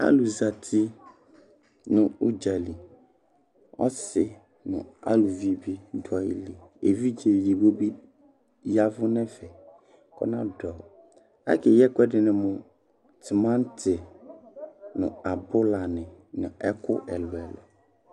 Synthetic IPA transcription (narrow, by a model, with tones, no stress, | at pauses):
a̰˦lu˨za˨tʰi˦ | nʊ̃˨u˦d͡ʒa˨li˨ | ɔ̰˦sɪ˨ | nʊ̰̃˨a̰˦lu˨vi˨bi˦dɔ˨˦ɪ̰˦li˨e˨vi˦d͡ʒe˨ji˨bo˦bi˦ | ja˦vʊ˦nɛ̃˦fɛ˨ | kʰɔ̰˦nã˦dɔ˨ | a̰˦kʰɛ˨jɛ˦kɛ˦dɪ˨nɪ̃˨mʊ̃˨ | tʰɪ˨mã˦n˦tʰɪ˨ | nʊ̰̃˨a˨bʊ˦la˨nɪ̃˨nʊ̃˨ɛ˦kʰʊ̰˦ʔɛ˨lʊ˨ɛ˨lɔ̰˨